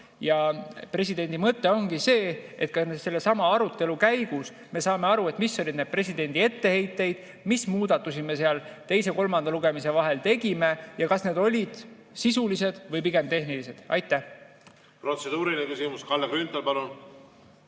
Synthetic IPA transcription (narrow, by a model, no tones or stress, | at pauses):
jɑpre̞sid̪̥e̞nʲd̪̥imɤt̪ːe̞o̞ŋɡ̥ise̞ːet̪̚kɑsmese̞lːe̞sɑmɑɑɾut̪ːˑe̞lukæjɡ̥us | me̞sɑːme̞ɑɾue̞t̪ˑmisːo̞lʲid̪̥ned̪̥̚pre̞sʲid̪e̞nʲd̪̥ʲie̞t̪ːe̞he̞jt̪ːˑe̞jd̪̥ | mismuːd̪̥ɑt̪ːˑusime̞s̬eɑlt̪e̞jse̞ko̞lmɑnd̪̥ɑluɡe̞mise̞vɑɦe̞lt̪e̞ɡime̞jɑkɑsne̞ːd̪o̞lʲid̪̥ | sisulise̞d̪̥vɤjpiɡe̞mt̪e̞hnilise̞d̪̥ɑ̰jt̪ːˑæh | prot̪sed̪̥uːɾilekysimuskɑlːekɾynt̪ɑlpɑlun